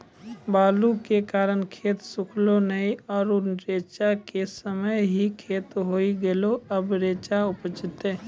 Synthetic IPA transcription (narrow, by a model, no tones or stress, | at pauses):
baːlukekaːɾənkʰeːt̪sʊkʰlonəiɔːɾʊnɾeːt͡ʃakesəməjɦikʰeːt̪ɦoːiɡeloɐbɾeːt͡ʃaʊpt͡ʃɪt̪ẽː